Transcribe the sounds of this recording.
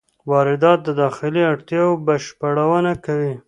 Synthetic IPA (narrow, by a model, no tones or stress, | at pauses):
wɑɾɪd̪ɑt̪̚d̪əd̪ɑxɪliaɽt̪jɑwbaʃpaɽawənakawi